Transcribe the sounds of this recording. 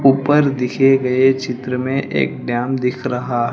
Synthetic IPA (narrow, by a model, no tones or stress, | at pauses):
uːpəɾd̪ɪkʰeɡɐet͡ʃɪt̪ɾəmẽʔʔḛːk̚ɖjaːmd̪ɪkʰɾɐɦaɦɛ